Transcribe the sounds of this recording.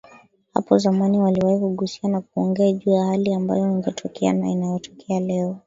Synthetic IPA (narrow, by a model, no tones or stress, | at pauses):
ha̰pɔzamaniwaliwahikuɠusi̥anak̚uɔŋɡɛaʄuːjahaliamba̰jɔiŋɡɛtʰɔkɛa̰na̰inajɔtɔkʰɛalɛɔ